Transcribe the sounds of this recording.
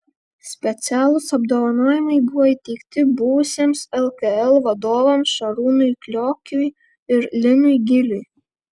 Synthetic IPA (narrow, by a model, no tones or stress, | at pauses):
sʲpʲɛt̪sʲæːlˠʊsɐb̚d̪oːʋɐnoːjɪmɐɪbʊʋɔiːt̪ʲɛɪkt̪ʲɪbʊʋʊsʲeːmsɛlˠkɛɛlˠʋɐd̪oːʋɐmsʃɐɾuːnʊjklʲoːkʲʊj | ɪɾlʲɪnʊjɡʲɪlʲʊj